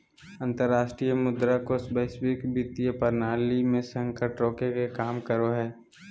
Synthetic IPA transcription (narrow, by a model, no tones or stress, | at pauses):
ə̃nt̪əɾːaːʃʈɾijəmʊd̪ɾakosbəɪʃwɪkbɪt̪ijəpəɾnaːlimẽsə̃ŋkəʈɾoːkekekaːmkəɾoɦɛː